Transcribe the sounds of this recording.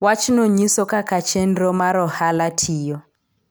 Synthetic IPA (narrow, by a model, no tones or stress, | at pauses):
wat͡ʃnoɲisɔkakat͡ʃɛnɾɔmaɾɔhalatʰijɔ